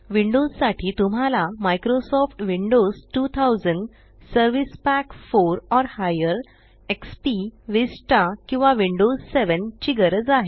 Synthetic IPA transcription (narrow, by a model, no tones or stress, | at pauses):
ʋiɳɖossaʈʰiːt̪um̤ʱalamajkɾosɔfʈʋiɳɖosʈut̪ʰawd͡zəɳɖ | səɾʋispækfoɾɔɾhajəɾ | ekspiʋesʈakĩw̃ʋaʋiɳɖosseʋənt͡ɕiɡəɾəd͡zaɦe